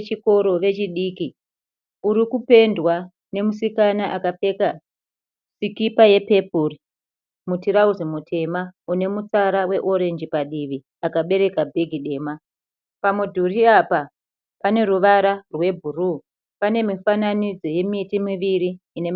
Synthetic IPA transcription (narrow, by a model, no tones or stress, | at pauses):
t͡ʃiko̞ɾo̞ʋe̞t͡ʃiɗiːki | uɾikupe̞ndwa | ne̞musikanaʔakape̞ka | sikipaje̞pe̞puri | mutiɾauzimutʰe̞maune̞mut͡saɾawe̞ʔo̞ɾe̞nd͡ʒipaɗiʋi | akaɓe̞ɾe̞kabʱeɡʱiɗe̞ːma | pamudʱuriapa | pane̞ɾuʋaɾarwe̞bʱuruː | pane̞mifananid͡zo̞je̞mitimiʋiɾiːnem